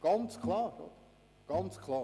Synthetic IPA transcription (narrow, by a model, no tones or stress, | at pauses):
ɡ̥ɑnt͡skʰlɑːʁɡ̥ɔ̰t̪ | ɡ̥ɑnt͡skʰlˠɑː